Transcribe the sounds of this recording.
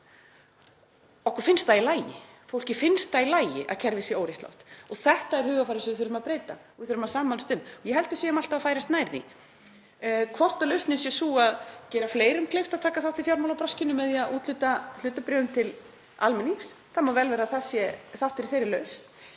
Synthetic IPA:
ɔhkvaɾfɪnst̪θailaːjɪ̰ | fowl̥cɪfɪnst̪θailaːjɪ̰ʔa̰cʰɛɾvɪsjɛoːwɾjɛht̪la̰wht̪ɔθɛht̪aɛɾ̥hʏːɣafajɾɪsɛvɪθʏɾʏmaðpɾeːjt̪a̰ɔvɪθʏɾʏmaðsaːmalʏst̪ʏnːɔjɛɦɛlt̪ʏsɛmalt̪avafaːjɾast̪naːjɾðḭ | kʰvɔr̥t̪alœɥst̪nɪnsjɛsuːaðcɛːɾafleːjɾʏmkʰleft̪aðt̪ʰaːkaθaw̥t̪ifjawɾmawlawpɾascɪnʏmɛðiaʔuːt̪lʏt̪al̥ʏːt̪apɾɛðʏmt̪ʰɪl | almɪniŋsθamavɛlvɛːɾaθasjɛθaw̥t̪ɪɾiθejɾɪlœɥst̪

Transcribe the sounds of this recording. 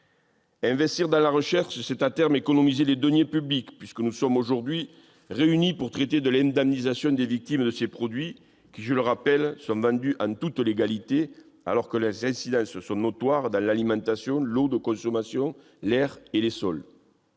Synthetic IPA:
ɛ̃vɛst̪iʁd̪ɑ̃laʁəʃɛʁʃəsɛt̪at̪ɛʁmekɔnɔmizeled̪ɔnjepyblikpɥiskənusɔmoʒuʁd̪ɥi | ʁeynipuʁt̪χet̪ed̪əlɛ̃nd̪ɛmnizasjɔ̃d̪evik̚t̪imd̪əsepχɔd̪ɥi | kʲiʒələʁapɛlsɔ̃vɑ̃nd̪yʔɑ̃nt̪ut̪leɡalit̪e | a̰lɔʁkəlezɛ̃sid̪ɑ̃səsɔ̃not̪waʁd̪ɑ̃lalimɑ̃nt̪asjɔ̃lod̪əkɔ̃sɔmasjɔ̃ | lɛʁelesɔl

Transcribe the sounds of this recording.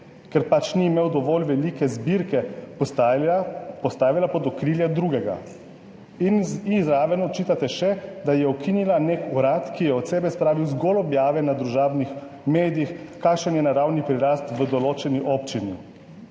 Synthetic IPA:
kɛɾpat͡ʃniːmeːwd̪ɔʋoːlʋɛlikɛzbiɾkɛ | pɔst̪aːʋilapɔd̪ɔkɾiːljad̪ɾuɡɛɡa̰ | inizɾaʋɛnɔt͡ʃiːt̪at̪ɛʃɛd̪ajɛɔkʰinilanekuɾat̪kijɛɔt̪sɛːbɛspɾaːʋiwzɡolɔbjaːʋɛnad̪ɾuʒaːbnix | meːd̪ijixkːakʃənjɛnaɾawnipɾiɾast̪ʋəd̪ɔloːt͡ʃɛniʔɔpt͡ʃini

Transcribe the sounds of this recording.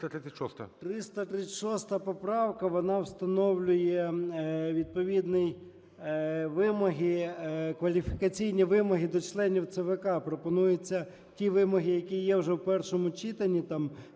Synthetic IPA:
t̪ɾɪʃɔst̪ɐt̪ɾɪst̪ɐt̪ɾɪt͡sʲːtʲʃɔst̪ɐpɔpɾɑwkɐʋɔnɑwst̪ɐnɔwlʲʊjɛ | ʋʲid̪̚pɔʋʲid̪nɪj | ʋɪmɔɦɪkʋɐlʲifʲi̥kɐt͡sʲijnʲiʋɪmɔɦɪd̪ɔt͡ʃlˠɛnʲiwt̪sɛʋɛkɑpɾɔpɔnujʊt͡sʲːɐ | tʲiʋɪmɔɦɪjɐkʲijɛwʒɛwpɛrʃɔmʊt͡ʃit̪ɐnʲːit̪ɑm

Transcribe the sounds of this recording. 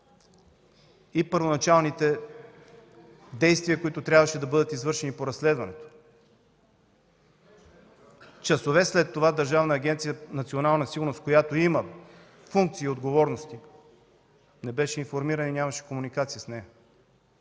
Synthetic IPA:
ipəɾvonɐt͡ʃalˠnit̪ɛ | d̪ɛjst̪viəkoit̪ot̪ɾʲjabvɐʃɛd̪ɐbɤd̪ət̪izvɤɾʃɛnipoɾɐsːlɛd̪vɐnɛt̪o̥ | t͡ʃɐsovɛslɛt̪ːovad̪ɐɾʒavnɐːɡʲɛnt̪sijənɐt̪sionalˠnəsiɡʊɾnoskojat̪oimɐ | fuŋk̚t̪siːod̪ɡovɔɾnost̪i | nɛbɛʃɛinfoɾmiɾənəinʲamɐʃɛ̥komunikat̪sijəsnɛjɐ

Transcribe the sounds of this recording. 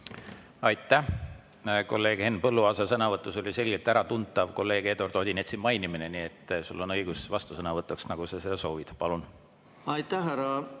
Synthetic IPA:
ɑjt̪ːˑæh | ko̞lːe̞ːɡ̥he̞npɤlːuɑːsesɤnɑvɤt̪ːˑuso̞lʲise̞lʲɡ̥elt̪æɾɑt̪unt̪ːˑɑvko̞lːe̞ːɡ̥e̞d̪o̞rd̪̥oːd̪ʲinet̪simɑjnimineniet̪ːˑsulːo̞nɤjɡ̥usvɑst̪usɤnɑvɤt̪ːˑuksnɑɡ̥usɑsed̪ɑso̞ːvid̪̥pɑlun | ɑjt̪ːæɦæɾɑ

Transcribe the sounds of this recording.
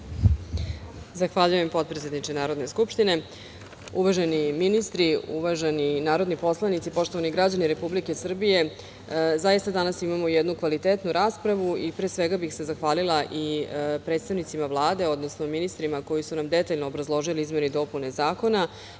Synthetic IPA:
zaxʋaʎujempo̞t̪̚pɾet̪e̞d̪nit͡ʃenaːɾo̞d̪ne̞skupʃt̪ine̞ | uʋaʒeniminist̪ɾiṵʋaʒeninaːɾo̞d̪nipo̞slˠanit̪sipo̞ʃt̪o̞ʋaniɡɾad͡ʑaniɾe̞publike̞sr̩bije̞ | zajist̪ad̪anasimamojɛd̪nukʋalit̪eːt̪nuɾaːspɾaʋuipɾeːsʋeɡabixse̞zaxʋaːlilˠaʔipɾet̪st̪aʋnit̪simaʋlˠaːd̪e̞o̞d̪no̞sno̞minist̪ɾimako̞jisunamd̪e̞t̪aʎnoːbɾazlˠo̞ʒiliizmje̞nid̪o̞pune̞zaːko̞na

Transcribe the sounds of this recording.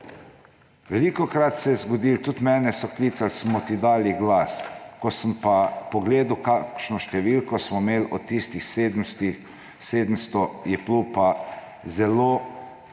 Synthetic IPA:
ʋɛlikokɾat̪sɛjɛzɡɔd̪iːlt̪ut̪mɛːnɛsɔkliːt̪salsmɔt̪id̪aːliɡlaskɔsəmpapɔɡleːd̪ukakʃnɔʃt̪ɛʋiːlkɔsmɔmeːlɔt̪ːist̪ixsed̪st̪i | seːd̪əmst̪ɔjɛplupa | zɛloː

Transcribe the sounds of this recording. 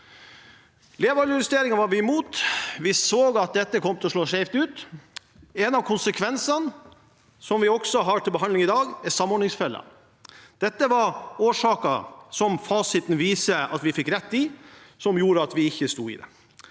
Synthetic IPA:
leːʋɑlʊɾɪst̪eːɾɪŋənʋɑɾʋɪɛmuːt̪ʋɪsoːɡɑt̪̚d̪ɛt̪ːəkʰɔmːt̪ʰɛɔʂɭoːʂɛɪft̪ʉːt̪ | ɛnɑʋkʰʊnsəkʰʋɛnsɑn | sɔmʋɪɔksɔɦɑʈʰɪlbəɦɑnd̪lɪŋɪd̪ɑːɡɛsɑmːɔɾɳɪŋsfɛlːə̰ | d̪̥ɛt̪ːəʋɑɾoːʂɑːkɑsɔmfɑːsɪt̪n̩ʋiːsəɑt̪ʋɪfɪkːɾɛt̪ːɪsɔmjuːɾəɑt̪ʋɪɪçːəst̪ṵːɪ̰ːd̪ɛ̰

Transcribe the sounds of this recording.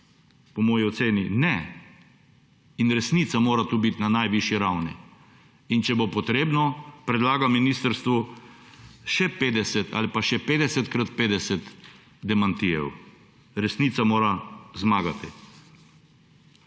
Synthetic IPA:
pɔmɔːjiɔt̪seːninɛ | inɾɛsniːt̪samoːɾat̪uːbit̪nanajʋiʃjiɾawnḭ | int͡ʃɛbopɔt̪ɾeːbnɔpɾɛd̪laːɡaminiːst̪əɾst̪ʋu | ʃɛpeːd̪ɛsɛt̪a̰ːlipaʃɛpeːd̪ɛsɛt̪kɾat̪̚peːd̪ɛsɛt̪ | d̪ɛmant̪iɛ̰w | ɾɛsnit̪samoːɾazmaːɡat̪i

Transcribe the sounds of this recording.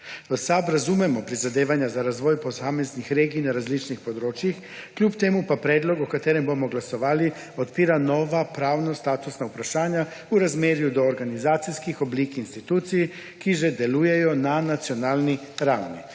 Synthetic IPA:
osabɾazumemo̞pɾizad̪eːʋaɲazaɾazʋojpo̞saːmeznixɾeːɡiːnaɾazlit͡ʃnixpo̞d̪ɾoːt͡ʃjix | kʎuːpt̪emupapɾeːd̪lo̞ɡokat̪eɾembomoɡlaso̞ʋaːli | ot̪piɾano̞ʋapɾaːʋnost̪aːt̪usnaupɾaʃaːɲa | uɾazmjeɾjud̪o̞ːɾɡanizaːt̪sijskixo̞bliːkiːnst̪it̪uːt̪sije | kiʒed̪elujejonanat̪sio̞naːlˠni | ɾawni

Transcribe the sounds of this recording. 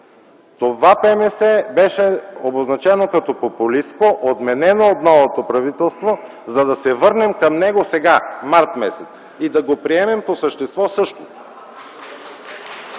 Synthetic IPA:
t̪ovapɛmɛsɛbɛʃɛoboznɐt͡ʃɛnokɐt̪ɔpopulist̪koʔod̪mɛnɛnoːt̪nɔvot̪opɾɐvit̪ɛlˠst̪vo | zɐd̪ɐsɛvɤɾnɛmkɐmnɛɡosɛɡamaɾt̪mɛsɛt̪s | id̪ɐɡopɾiɛmɛmposəʃt̪ɛst̪vɔsɤʃt̪o

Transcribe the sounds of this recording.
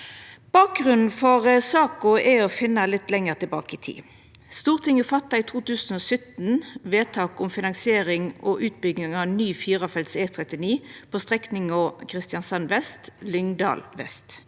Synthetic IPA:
b̥ɑːk̚ɡʁʉnn̩fɔʁəsɑːkʊɛɔfɪnːɑlɪt̪ːlɛŋəʁt̪ɪlbɑ̰ːkəɪt̪ʰḭː | st̪uːʁt̪ʰɪŋəfɑt̪ːɑit̪ʰuːt̪ʉːsn̩ɔsœt̪n̩ʋeːt̪ʰɑːkʊmfɪnɑŋsɪeːʁɪŋʔɔʔʉːt̪̚bʏɡnɪŋɑnyːfiːʁɑfɛlt̪seːt̪ʰʁɛt̪ɪniːpʰɔst̪ʁɛknɪŋɔkʰʁɪst̪jɑnsɑnʋɛst̪lʏŋd̪ɑ̰ːlʋɛ̰st̪

